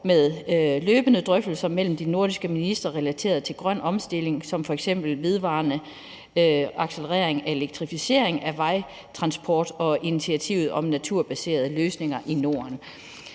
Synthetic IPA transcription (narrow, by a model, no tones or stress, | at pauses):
meðˠløːb̥ənəd̥ʁœfd̥l̩sɐmel̰m̩d̥ino̝ɐd̥isɡ̥əminisd̥ʁɐʁɛlæt͡sʰe̝̰ːɐðˠt͡sʰe̝lɡ̥ʁɶn̰ɒ̽msd̥e̝le̝ŋsɒ̽mfɒ̽eɡ̥sem̰b̥l̩ʋe̝ð̞ˠʋɑ̰̈ːnə | ɑ̈ɡ̥seləʁɛ̰ɐ̰eŋæe̝leɡ̥̚t͡sʰʁifise̝̰ːɐ̰e̝ŋæʋɑ̈ɪ | t͡sʰʁɑ̈nsb̥ʰɒːd̥ɒ̽init͡sʰiæt͡sʰḭʊð̞̩ˠɒ̽mnæt͡sʰuɐb̥æse̝̰ːɐð̞̩ˠəløːsne̝ŋɐʔino̝ɐn